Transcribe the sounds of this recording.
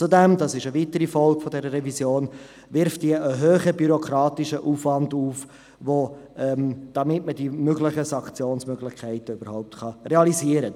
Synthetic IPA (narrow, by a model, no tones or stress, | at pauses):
t͡sudɛmd̪ɑsɪʃəvitəɾifɔlˠkfɔdɛɾəɾɛvizjoːn | ʋɪɾftd̥iəʔəɦøːχəbyɾɔkʰɾɑːtiʃəʔuːfvɑnduːf | ʋoʔɛmd̥ɑmɪtmədimøɡlɪχəsɑŋkt͡sjoːnsmøɡlɪχkʰɛɪtəøb̥əɾhɔʊp̚tχɑreɑliziːəɾə